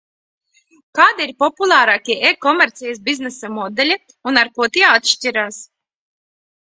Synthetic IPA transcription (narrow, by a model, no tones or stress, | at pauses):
kaːd̪iiɾpɔpulˠaːɾaːkʲiɛʔekɔmʲɛɾt̪sʲɛjas̬bʲiznɛsamɔd̪ɛlʲi | unaɾkuɔt̪iɛat̪ʃtʲiɾaːs